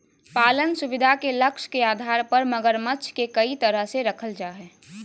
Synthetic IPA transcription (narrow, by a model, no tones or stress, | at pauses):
paːlənsubid̪ʱakeləkʃkead̪ʱaɾpəɾməɡəɾmətːt͡ʃʰkekəit̪əɾəɦseɾəkʰəld͡ʒaɦɛ